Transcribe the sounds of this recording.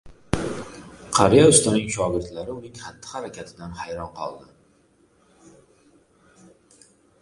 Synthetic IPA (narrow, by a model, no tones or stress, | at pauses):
qʰɑɾjaʊst̪anɪŋʃɒɡʲɪɾt̪laɾɪʊnɪŋχat̪ʰːɪ̥haɾakʲʰat̪ʰɪd̪anhajɾɒnqʰɒ̰lˠd̪ɪ